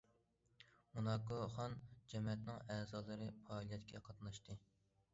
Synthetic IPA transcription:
munɑkuχɑnd͡ʒɛmɛt̪nɪŋɛːzɑːlˠɨɾɨpɑːlˠijɛt̪kʲʰɛqʰɑt̪nɑʃt̪ɨ

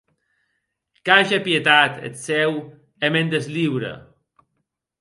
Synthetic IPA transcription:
kaʒapjet̪at̪ḛt̪sɛw | emend̪ezliwɾə̰

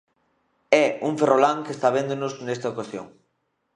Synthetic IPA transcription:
ɛuŋferolaŋkest̪aβend̪onʊznɛst̪ɐokasjo̰ŋ

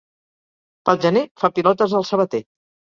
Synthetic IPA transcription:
pəlˠʒənefapilɔt̪əzðəlˠsəβ̞ət̪e

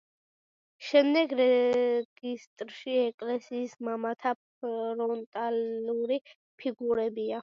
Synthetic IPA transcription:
ʃɛmd̪ɛɡɾɛɡ̥ist̪ʼɾʃiɛkʼlɛsiːsmamat̪ʰap | ɾɔnt̪ʼaluɾi | pʰiɡuɾɛbia

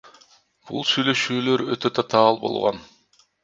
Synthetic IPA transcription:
b̥ṵlˠsyjlø̞ʃyːlø̞ɾøt̪øt̪ʰet̪ʰɑːlˠbo̞̰lˠʁo̰n

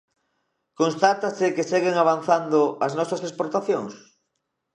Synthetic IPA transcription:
konst̪at̪asɪkeseɣeŋaβ̞anθand̪ʊɐznɔsɐsespoɾt̪aθjoŋs

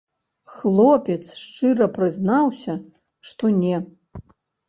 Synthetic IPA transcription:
xlˠɔpʲɛt̪sʂt͡ʂɨɾɐpɾɨznawsʲɐ | ʂt̪ɔnʲɛ

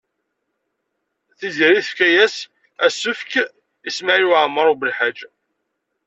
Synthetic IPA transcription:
θiziɾiθəfkæjæs | æsːʊfk | ismaʕjwʕmːəɾˤubəlħad͡ʒ

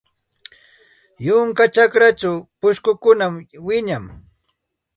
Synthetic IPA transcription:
jʊŋkat͡ʃakɾat͡ʃawpʊʃkʊkʊnamwɪɲam

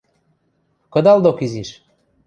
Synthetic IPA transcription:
kɤ̆d̪ɑld̪okiziʃ

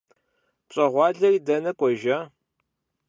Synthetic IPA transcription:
pɕʼɐʁʷɑːɮɐridɐnɐkʷʼɔʒaː

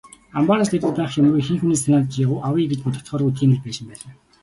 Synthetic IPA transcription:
ampaːɾast̪et̪ɘ̆p̪æːχjam̆ɾuːjxiŋxuneːsanaːt̪t͡ɕjaʁʊːʔawiːɡɘ̆t͡ɕput̪ə̆kt̪χɔːɾut̪ɡʲiːnɘ̆t͡ɕpæːʃɪ̆mpæːɮaː

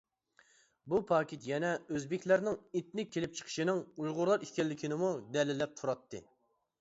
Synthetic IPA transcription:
bupʰɑːkʲet̪jɛnɛøzbɪkʲlæɾnɪŋet̪̚nɪk̚ʲʰːelɪp̚t͡ʃʰə̥qʰə̥ʃinɪŋujʁʊɾlˠɑɾikʲɛlːɪkʲʰinɪmud̪ɛlɪlːɛp̚t̪ʰuɾɑt̪ʰːɨ̰

